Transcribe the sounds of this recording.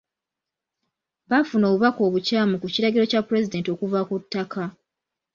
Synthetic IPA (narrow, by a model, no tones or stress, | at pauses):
βafunoβuβako̞ːβucaːmukuciɾaɡiɾo̞capːuɾe̞zide̞ːnto̞kuvakutːakʰa